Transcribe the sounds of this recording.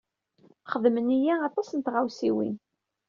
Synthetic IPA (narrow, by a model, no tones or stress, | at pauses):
χəðmənijæɑt̪ˤɑsənt̪ʁawsiwḭn